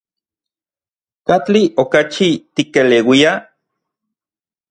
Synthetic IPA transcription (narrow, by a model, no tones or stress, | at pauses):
kat͡ɬiʔokat͡ʃit̪ikelewia